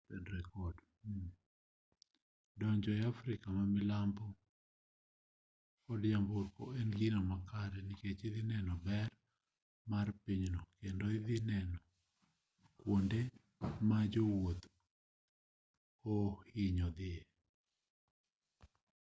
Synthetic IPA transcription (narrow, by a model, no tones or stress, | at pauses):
pɛndɾɛkɔd | dɔɲd͡ʒɔjafɾɪkamamɪlambɔ | kɔdjambokoɛnɡinɔmakaɾɛniket͡ʃid̪ɪnɛnɔbɛr | marpiɲnɔkendoiðɪnɛnɔ | kwonde | mad͡ʒowot̪ | ohiɲɔd̪ɪe